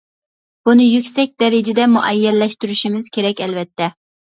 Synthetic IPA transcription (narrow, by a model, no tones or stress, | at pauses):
b̥unɨjykʲsɛk̚ʲd̪ɛɾɪd͡ʒɛd̪ɛmuʔɛjːɛllːɛʃt̪yɾyʃimɪz̥kʲʰeɾɛkʲɛlvɛt̪ʰːɛ